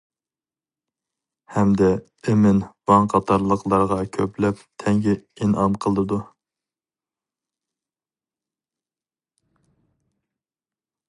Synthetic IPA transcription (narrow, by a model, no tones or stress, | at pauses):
hɛmd̪ɛ | emɪnvɑŋqʰɑt̪ʰɑɾlˠəqlˠɑɾʁɑkʲʰøplɛp̚t̪ʰɛŋɡʲɛinɑnqʰəlˠd̪ɨd̪u